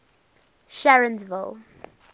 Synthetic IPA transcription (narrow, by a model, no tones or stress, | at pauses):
ʃaɹə̃nzvɪ̰lˠ